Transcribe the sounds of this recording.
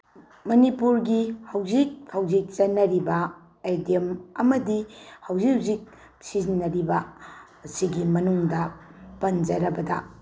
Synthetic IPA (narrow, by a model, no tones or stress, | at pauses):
mɐnipuɾɡihɐwd͡ʒik̚hɐwd͡ʒik̚t͡ʃɐnːɐɾibɐ | ajdiemɐmɐdihɐwziwzik̚ | sizinːɐɾibɐ | siɡimɐnuŋdɐpɐnd͡ʒɐɾɐbɐdɐ